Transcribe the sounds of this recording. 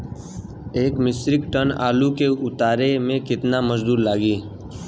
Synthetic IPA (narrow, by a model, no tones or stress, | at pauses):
eːkmɪsɾɪkʈəna̰ːlukeʊt̪aːɾemẽkɪt̪naməd͡ʒd̪uːɾlaːɡiː